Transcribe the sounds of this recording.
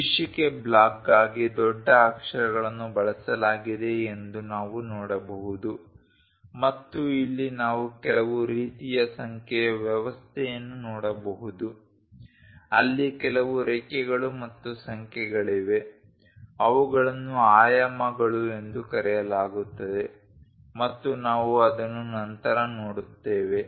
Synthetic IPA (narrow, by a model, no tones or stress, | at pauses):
ʋiʂikeblaːkːaːɡid̪ɔɖːɐːkʂɐɾɐɡɐɭɐnːubɐɭɐsɐlaːɡid̪e̞ːnd̪unaːʋunɔːɽɐbɐɦud̪u | mɐt̪ːuilːinaːʋukɛlɐʋuɾiːt̪ijɐsɐŋkʰɛjɐʋjɛʋɐst̪ʰɛjɐnːunɔːɽɐbɐɦud̪u | ɐ̰lːikɛlɐʋuɾɛkɛɡɐɭumɐt̪ːusɐŋkʰɛɡɐɭiʋe̞ | ɐʋuɡɐɭɐnːuaːjɐmɐɡɐɭue̞nd̪ukɐɾɛjɐlaːɡut̪ːɐd̪e̞ | mɐt̪ːunaːʋuɐd̪ɐnːunɐnt̪ɐɾɐnoːɽut̪ːeːʋe̞